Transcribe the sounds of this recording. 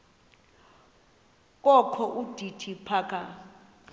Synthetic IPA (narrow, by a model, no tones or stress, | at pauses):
k̬ʼɔkʰɔʔud̥ʱitʰipʰaːkʰʼa